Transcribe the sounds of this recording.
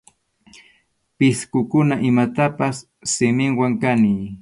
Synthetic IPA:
pɪskʊkʊnaʔɪmat̪apasː | ɪmɪŋwaŋkaniː

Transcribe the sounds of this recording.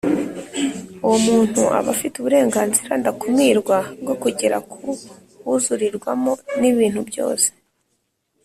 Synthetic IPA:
uwomuːn̥huʔa̰βafituβuɾe̞ːŋɡaːnziɾandakumŋiːɾɡwab̚ɡo̞kuɟeɾakʰu | βuzuɾiɾɡwamoniβiːn̥hubjo̞̰ːse̥

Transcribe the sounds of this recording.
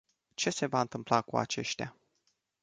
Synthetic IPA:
t͡ʃe̞se̞vaɨnt̪ɨmplakua̰t͡ʃe̞̰ʃt̪a

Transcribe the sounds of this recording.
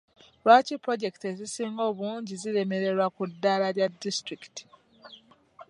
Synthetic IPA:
lwaːcipɾoɟe̞ki̥tezisiːŋɡo̞ːβuːɲɟiziɾe̞me̞ɾe̞ɾwakudːalaɾjadːistɾiki̥ti̥

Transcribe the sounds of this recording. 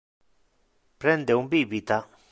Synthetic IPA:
pɾend̪eumbibit̪a

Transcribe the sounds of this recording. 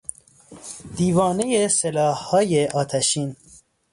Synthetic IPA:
d̪̥iːvɒːnejeselɒːhhɒːjeʔɒːt̪ʰæʃiːn

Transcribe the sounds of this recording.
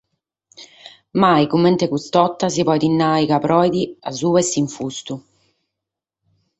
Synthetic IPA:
majkumːent̪ekust̪ɔt̪ːas̬ipɔjd̪inːaːikapɾɔjd̪iazuɛsiɱfust̪u

